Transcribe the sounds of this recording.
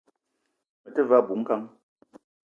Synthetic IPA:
mə˨tə˦va˦˨bu˨˦ŋ̩˦ka˦ŋ

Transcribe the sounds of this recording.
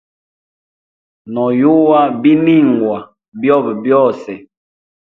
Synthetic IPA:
nɔ˨ju˦wa˦bi˦ni˦˨ŋ˨ɡwa˨ | bjɔ˦˨bbjɔ˦˨sɛ˨

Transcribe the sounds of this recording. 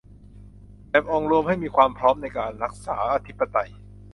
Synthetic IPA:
ʔɛ˦˥p̚ʔɔː˧ŋɾu˧əmha˥˩jmiː˧kʰwaː˧mpʰɾɔː˦˥mna˧jkaː˧nɾa˦˥k̚saː˩˦ʔa˧t̪ʰi˦˥pːa˧t̪a˧j

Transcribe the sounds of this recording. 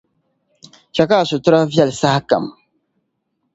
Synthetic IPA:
t͡ʃa˨ka˦˨sʊ˨tʊ˦ɾa˦vjɛ˦˨lsa˦hka̰˨m

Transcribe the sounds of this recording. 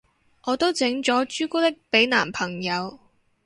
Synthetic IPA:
ʔɔː˨˧t̪o˥wt͡sɪ˨˥ŋt͡ʃɔː˨˥t͡ʃyː˥kuː˥t̪ɪ˥k̚pe˨˥jnaː˨˩mpʰɐ˨˩ŋjɐ˨˧w

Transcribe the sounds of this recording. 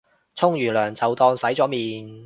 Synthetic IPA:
t͡sʰʊ˥ŋjyː˨˩lœː˨˩ŋt͡sɐ˨wt̪ɔː˧ŋsɐ˨˥jt͡sɔː˨˥miː˨˩n

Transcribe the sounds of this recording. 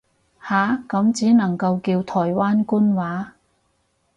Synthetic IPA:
haː˨˥kɐ˨˥mt͡siː˨˥nɐ˨˩ŋkɐ˧wkiː˧wt̪ʰɔː˨˩jwaː˥nkuː˥nwaː˨˥

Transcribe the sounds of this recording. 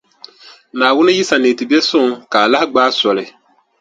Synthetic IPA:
naː˨wʊ˦nɨ˦ji˦sa˨neː˨ti˨bi˦ɛ˦sʊ˦˨ŋka˨la˦hɪ˦ɡ͡baː˦sɔ˨lɪ˨

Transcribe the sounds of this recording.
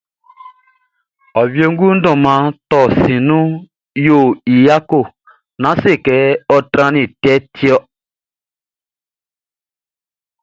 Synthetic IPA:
ɔ˨βje˦ŋ˦ɡu˦n̩˦dɔ̃˨mã˨˦tɔ˨sĩ˨nũ˦ | jo˨i˨ja˦ko˦˨ | nã˨˦se˦˨kɛ˨˦ɔ˦tɾã˦nĩ˨tɛ˦ti˦ɔ˦

